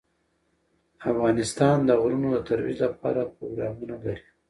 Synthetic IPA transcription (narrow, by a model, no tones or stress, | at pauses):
afɣɑnɪst̪ɑnd̪əɣɾunod̪ət̪aɾwḭzlapɑ̰ɾapɾoɡɾɑmunalaɾi̥